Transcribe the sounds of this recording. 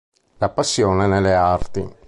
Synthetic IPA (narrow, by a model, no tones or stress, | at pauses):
lapasːjoːnenelːeart̪i